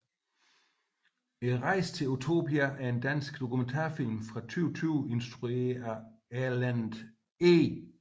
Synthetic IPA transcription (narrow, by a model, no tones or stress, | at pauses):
enʁɑ̈ɪ̰st͡sʰe̝lot͡sʰo̝̰biæʔæɐe̝nd̥æn̰sɡ̥d̥o̝kument͡sʰɑ̰̈ɐfil̰mfʁɑ̈t͡sʰyːʊt͡sʰyʊe̝nsd̥ʁuḛɐæɐlænd̥ | e